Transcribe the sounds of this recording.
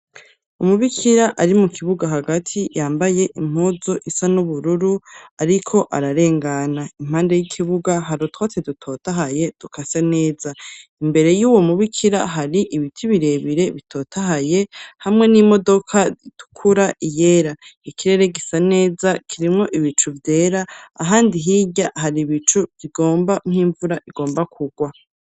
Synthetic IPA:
umuβikʰiɾaʔaɾimukʰiβuɡaɦaɡatʰijaːmbaje̞ʔim̥oːzo̞ʔisanuβuɾuɾuaɾikʰo̞ʔaɾaɾe̞ːŋɡanaim̥aːnde̞jikʰiβuɡaɦaɾotwat͡sedutʰo̞taɦaje̞d̥ukʰasane̞ːzaimbe̞ɾe̞juwo̞muβikʰiɾaɦaɾiʔiβitʰiβiɾe̞βiɾe̞βitʰo̞ːtʰaɦaje̞hamŋe̞nimo̞do̞kʰaitu̥kʰuɾaʔije̞ɾaikiɾe̞ɾe̞ɡisane̞ːzakʰiɾimŋo̞ʔiβit͡ʃuvjeːɾaːɦaːndiɦiːɟahaɾiβit͡ʃuviɡo̞ːmbam̥hiːɱvuɾaʔiɡo̞ːmbakʰuɡwa

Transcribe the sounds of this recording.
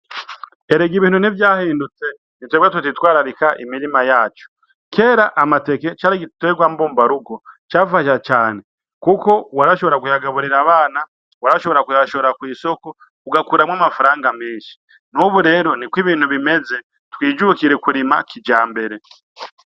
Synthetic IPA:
e̞ɾeɡiβiːn̥univjaːhiːndut͡se̞ | nitweːɡwatutitwaːɾaɾikaʔimiɾimajaːt͡ʃo̥ | kʰe̞ɾaʔamate̞ket͡ʃaːɾiɡitweɡwaːmboːmbaɾuɡot͡ʃaːfaʃ̬at͡ʃaːne̞ | kuko̞waɾaʃo̞βo̞ɾakujaɡaβuɾiɾaβaːna | waɾaʃo̞βo̞ɾakujaʃooɾakwiːso̞ko | uɡakuɾamwaːmafaɾaːŋɡamiːnʃi̥ | nuβuɾe̞ɾo̞nikwiβiːnhuβimeze̞ | twiːd͡ʒukiɾe̞kuɾima̰kid͡ʒaːmbe̞ɾe̞

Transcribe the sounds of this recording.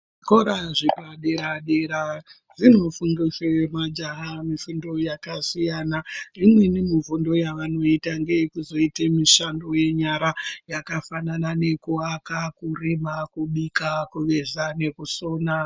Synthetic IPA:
koɾaʐipaɗeɾaɗeɾa | zino̞fuŋɡiswemad͡ʒaɦamifundo̞jakasijaːnarimwe̞nimivundo̞jaʋano̞itaŋɡejekuzo̞itemiʃando̞je̞ɲaɾajakafananane̞kuakakurimakuɓikakuʋe̞zane̞kuso̞ːna

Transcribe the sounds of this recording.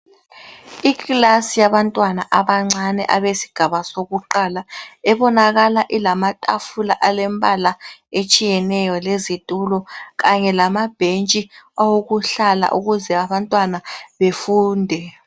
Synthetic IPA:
iɣlasijaβantʼwanaʔaβaŋ͡ǀanɛ̰ʔaβesi̥ɡ̥ʱaβasoɣuǃalaɛβɔnaɣalaʔilamatʼafulaʔalɛmbʱalaet͡ʃʼijɛnɛjɔlezitʼulɔɣaɲɛlamab̥ʱent͡ʃʼiawoɣuɬala̰ʔuɣuzɛaβantʼwanaβefuːndʱɛ

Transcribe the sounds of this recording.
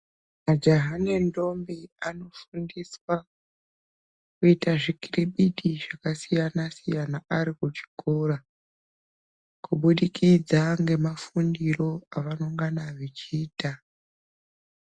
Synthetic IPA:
mad͡ʒaɦanendo̞mbiano̞fundiswa | kuitaʐikiriɓiɗiʐakasijanasijanaʔaɾikut͡ʃi̥ko̞ra | kuɓuɗikid͡zaŋɡe̞mafundiro̞aʋanoŋɡanaʋet͡ʃiːta

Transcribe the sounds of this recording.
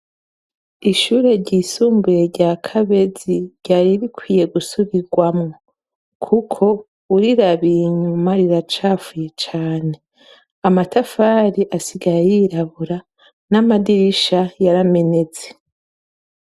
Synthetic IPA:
iʃuɾe̞ɾɟiːsuːmbuje̞ɾɟakʰaβe̞ziɾɟaːɾiɾikwiːje̞ɡusuβiɡwamŋo | kʰukʰo̞ | uɾiɾaβiiɲumaɾiɾat͡ʃaːfuje̞t͡ʃaːne̞ | amatafaɾiʔasiɡajajiɾaβuɾa | namadiɾiʃajaɾame̞ne̞t͡se̥

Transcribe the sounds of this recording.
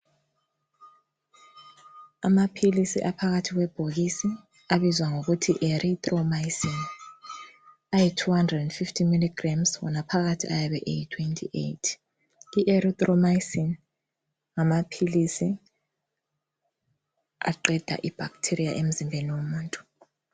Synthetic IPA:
amapʰilisiʔapʰaɣatʰiɣ̬wɛb̥ʱoɣisi | aβizwaŋoɣutʰiʔeɾʔit̪ʼrɔmasin | ajitʰuhandrɛdɛndfiftʰimiliɡramswɔ̰napʰaɣatʰiʔajaβɛʔejitʰwentʰʼḭʔḛjtʰ | iʔeɾit̪ʼrɔmajsin | ŋamapʰilisi | a̰ǃɛd̥ʱa̰ʔib̥ʱaktʰiɾijaʔem̩zimbʱeniwomuːntʼu̥

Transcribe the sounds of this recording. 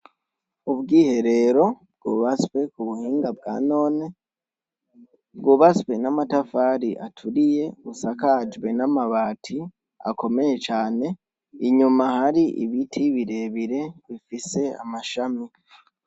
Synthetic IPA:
uβbɡiːhe̞ɾe̞ɾo̞b̚ɡ̥uːβaskwe̞kuβuhiːŋɡabɡa̰ːno̞ːne̞ | bɡuːβaskwe̞namatafaɾiʔa̰tʰuɾije̞usakad͡ʒwe̞namaβaːtʰi | a̰ko̞me̞je̞t͡ʃaːne̞ | iɲumahaɾiʔḭβitʰiβiɾe̞βiɾe̞βifise̞a̰maʃami

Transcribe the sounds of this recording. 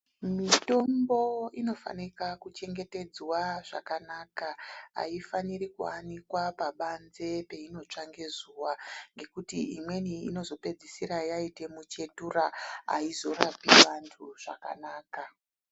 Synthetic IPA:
mito̞mbo̞ino̞fa̰nikakut͡ʃe̞ŋɡe̞te̞d͡zwaʐa̰kanaːkaa̰ifanirikuanikwapaɓanze̞pe̞ino̞t͡ʂaŋɡezuwaŋɡe̞kutiimwe̞niḭno̞zo̞pe̞d͡zisiɾajaite̞mut͡ʃe̞turaa̰izo̞rapiʋantʰuʐ̥a̰ka̰naːka

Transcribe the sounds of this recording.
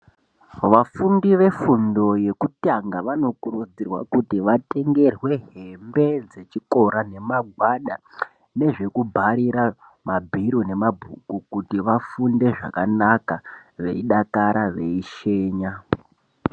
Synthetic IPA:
ʋafundiʋe̞fundo̞je̞kutaŋɡaʋano̞kurud͡zirwa̰kutiʋate̞ŋɡe̞rwe̞ɦembe̞d͡ze̞t͡ʃiko̞ɾane̞maɡʱwaɗa̰ | ne̞ʐe̞kubʱaɾiɾa | mabʱiɾone̞mabʱukukutiʋafunde̞ʐa̰kanakaʋe̞̰iɗakaɾaʋe̞iʃe̞ːɲa

